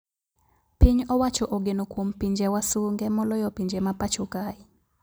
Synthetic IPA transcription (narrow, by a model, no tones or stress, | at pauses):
piɲɔwat͡ʃɔʔoɡenokwompiɲd͡ʒɛwasuŋɡɛmɔlɔjɔpiɲd͡ʒɛmapat͡ʃokaɪ